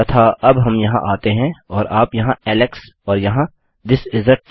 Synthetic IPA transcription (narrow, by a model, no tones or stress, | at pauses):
ɐt̪ʰaɐbɦɐmjɐɦã̰ʔaːt̪eɦɛ̃ɔːɾaːpjɐɦãɛːleks | ɔːɾjɐɦã | d̪ɪsɪzɾəʈ̪̚